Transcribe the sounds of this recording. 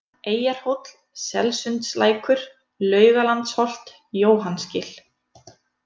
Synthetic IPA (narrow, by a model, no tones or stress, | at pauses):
eːjaɾ̥howt̪l̥ | sɛ̰lsʏnt̪sla̰ːjkʏɾ̥ | lœːɥɣalant̪shɔl̥t̪ | joːwɦanscɪl̥